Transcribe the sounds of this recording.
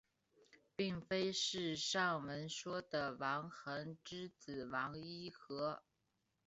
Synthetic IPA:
pi˥˩ŋfe˥ɪʂɻ̩˥˧ʂɑ˥˩ŋwə˧˥nʂwɔ˥d̪ə˨˩wɑ˧˥ŋxɤ˧˥ŋʈ͡ʂɻ̩˥t͡sɹ̩˨˩wɑ˧˥ŋi˥xɤ˧˥

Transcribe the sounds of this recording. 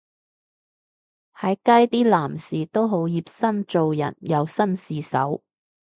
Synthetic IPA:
hɐ˨˥jkɐ˥jt̪iː˥laː˨˩msiː˨˩t̪o˥wɦo˨˥wjiː˧p̚sɐ˥nt͡so˨wjɐ̰˨˩njɐ˨˧wsɐ˥nsiː˨sɐ̰˨˥w

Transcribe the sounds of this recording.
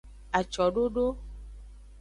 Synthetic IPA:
a˨t͡ʃɔ˨ɖo˦ɖo˦

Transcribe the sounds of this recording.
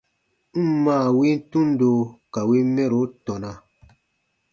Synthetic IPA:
n̩˦mãː˦˨wi˦n̩˦tũ˦n˦do˧˨ka˨wi˦mɛ˦ɾo˨˦tɔ̃˨nã˧

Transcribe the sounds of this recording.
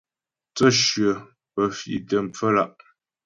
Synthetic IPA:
t͡sə˦˨ʃɥə˨ | pə˨fḭ˨tə˨m̩˨p͡fə˦la˦˨ʔ

